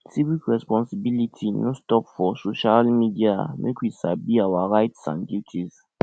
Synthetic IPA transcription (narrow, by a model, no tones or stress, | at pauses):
sivikɹɛspɔ̃nsibilitʰinostɔpfɔsoʃalmidianɨkʰʷisabiawaɾaɪtsã̰ndutʰiz